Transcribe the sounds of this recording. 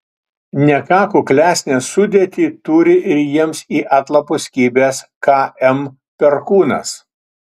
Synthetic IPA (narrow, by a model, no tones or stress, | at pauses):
nʲɛkɑːkuːklʲæːsʲnʲeːsʊd̪ʲet̪ʲiːt̪uɾʲɪʔɪɾjiɛmsiːʔɑt̪lˠɐpʊsʲkʲiːbʲeːs | kɑʔɛm | pʲɛɾkuːnɐ̰s